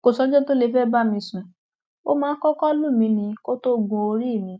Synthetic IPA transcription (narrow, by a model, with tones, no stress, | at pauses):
ko˨sɔ˧˦d͡ʒɔ˦to˦le˧fɛ˦ba˦mĩ˧sũ˨ | o̰˦mãː˨˦kɔ˦kɔ˦lũ˦˨mĩ˧nĩ˧ko˦to˦˨ɡũ˧o˧ɾi˦˨mĩ˨˧˦